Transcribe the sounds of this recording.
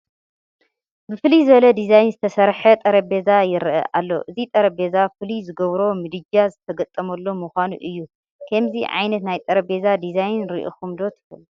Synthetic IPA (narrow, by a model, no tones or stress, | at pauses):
bɨfɨlizɨβɐlɐd̪izajnzɨt̪ʰɐsɐɾħɐt̪ʼɐɾɐbe̞zajɪɾʔɐ̰ʔalːo̞̰ʔɨzit̪ʼɐɾɐbe̞zafɨlizɨɡɐβɾo̞mɨd̪ɨd͡ʒazɨt̪ʰɐɡɐt̪ʼɐmɐlːo̞muxʷanṵʔɨjːu | kʰɐmziʕa̰jnɐt̪najt̪ʼɐɾɐbe̞zad̪izajnɾḭʔo̰xumd̪o̞t̪ʰɨ̥kɐl